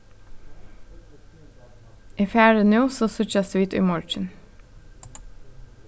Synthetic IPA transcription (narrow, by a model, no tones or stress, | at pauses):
ʔiːfjæːɹənjuːsoːsʉt͡ʃæsiːt̪y̰ːmɔɹt͡ʃən